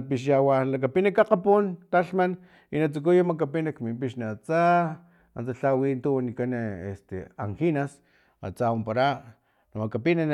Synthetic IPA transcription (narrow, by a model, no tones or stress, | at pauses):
piʃ̬jawalak̬apinakaqapunt̪aɬman | inat͡suk̬ujamakapinakmimpiʃniat͡sa | ant͡saɬawint̪uwanikanḛst̪ḛa̰ŋxinas | a̰t͡saumpaɾa | namakapinan